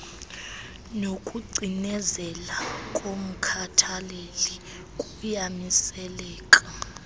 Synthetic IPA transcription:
nokʼuɡ͡ǀʱinɛzɛlakʼom̩kʰatʰaleli | kʼujamisɛlɛːkʼa

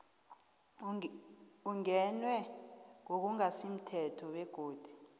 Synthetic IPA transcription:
uŋɛnwɛŋok̬uŋasim̩tʰɛtʰɔwɛɡ̥ʱoːd̥ʱu̥

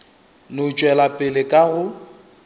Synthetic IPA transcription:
nʊt͡ʃʼwɛlapʼɪlɪkʼaɣʊ

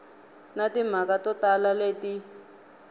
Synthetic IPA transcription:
natim̤akatɔtalaleti

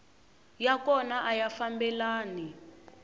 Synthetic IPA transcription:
jakɔnaʔajafambɛlaːni

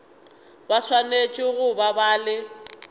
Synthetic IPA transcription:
baswanet͡ʃʼɪɣʊbabaːlɪ

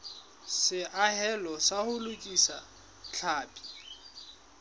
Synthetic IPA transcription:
sɪʔaɦɛlɔsahʊlʊkʼisa̰ | t͡ɬʰaːpʼi̥

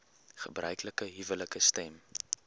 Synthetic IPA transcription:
χəbrœ̰ɥkləkəɦivələkəstɛm

